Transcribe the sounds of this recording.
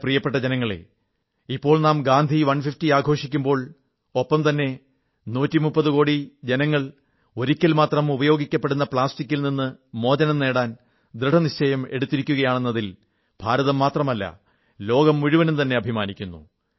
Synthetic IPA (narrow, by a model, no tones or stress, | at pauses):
prijɐpːe̞ʈ̬ːɐd͡ʑenɐŋːɐɭḛ | ipːo̞ːɭnaːmɡaːnd̪ʱiʋɐnfiftiaːɡʱo̞ːʂikʲːumbo̞ːɭ | opːɐmt̪ɐnːe̞ | nuːtːimupːɐðuko̞ːɽid͡ʑenɐŋːɐɭ | o̞ɾikʲːɐlmaːt̪rɐmubɐjo̞ːɡikʲːɐpːe̞ɽunːɐpɭaːstikːilninːɨmo̞ːd͡ʑɐnɐmne̞ːɽaːn | d̪ɾɨɖʰʱɐnit͡ɕʰːɐjɐmeɽut̪ːiɾikʲːuɣɐjaːɳe̞nːɐðil | b̥ʱaːɾɐðɐmːaːt̪rɐmɐlːɐ̰ | lo̞ːɡɐmːuɻuʋɐnumt̪ɐnːe̞ɐbʱimaːnikʲːunːṵ